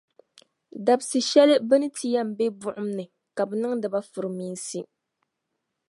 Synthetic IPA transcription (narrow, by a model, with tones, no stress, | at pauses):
da˨bsɨ˨ʃɛ˦lɨ˦bɨ˦nɨ˦tʰi˦ja˦m˨˦be˦bʊ˦ʔʊ˦mnɨ˨ | ka˨bɨ˨nɨ˦ŋdɨ˨ba˦fʊ˨ɾɨ˨miː˦nsi˦